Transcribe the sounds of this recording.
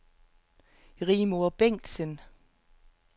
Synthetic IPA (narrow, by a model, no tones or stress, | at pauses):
ʁiːmoɐb̥eŋ̰d̥sən